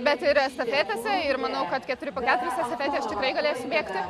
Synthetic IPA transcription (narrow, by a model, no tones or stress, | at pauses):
bʲɛt̪ɪɾst̪ɐfʲeːt̪ɐsʲɛɪrmɐnɐʊkɐt̪kʲɛt̪ʊɾʲɪpoːkʲæːt̪ʊɾʲɪsʲɛst̪ɐfʲɛːt̪ʲeːst̪ʲɪkɾɐɪɡɐlʲeːsʲʊbʲeːkt̪ʲɪ